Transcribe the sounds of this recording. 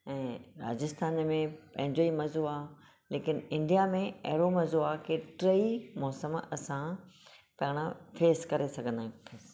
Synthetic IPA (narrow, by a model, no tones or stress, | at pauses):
ɛ̃ːɾa̰ːd͡ʑɪst̪ʰaːnmẽpɐ̃ɦɪ̃ɲd͡ʑoimɐzoaː | leːkɪnɪ̃ɳɖijamẽɐɦɾomɐzoaːkeʈɾeimɔːsəmɐsã | pɐɦɪɽ̃afeːskɐɾesɐɡʱə̃nd̪aːɦĩpʰes